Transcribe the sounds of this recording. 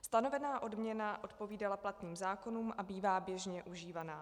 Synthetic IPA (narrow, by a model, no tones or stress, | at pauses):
st̪ano̞vɛnaːʔo̞dmɲɛnaʔo̞t̪po̞viːdalaplat̪niːmzaːko̞nuːmʔabiːvaːbjɛʒɲɛʔuʒiːvanaː